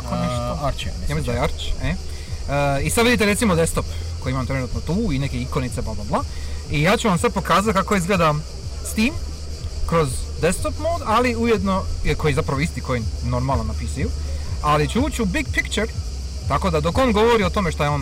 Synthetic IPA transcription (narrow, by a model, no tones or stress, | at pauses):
koneʃɾt͡ʃemezaaɾt͡ʃe | əisad̪ʋid̪it̪eɾe̞t̪simod̪est̪o̞p | ko̞jiimamt̪ɾe̞nuːt̪not̪uːinekeiko̞nit̪seblablˠablˠa | ijaːt͡ʃuʋamsad̪̚po̞kaːzat̪̚kakoizɡleːd̪a | st̪iːm | kɾo̞zd̪est̪opmoːd̪aliujed̪no̞ko̞jizapɾaʋoist̪iko̞jino̞ɾmalˠnonapisajualit͡ɕeuːt͡ʃubiɡpikt͡ʃeɾ | t̪ako̞d̪ad̪o̞ko̞nɡo̞ʋo̞ɾio̞t̪o̞meʃt̪ajeon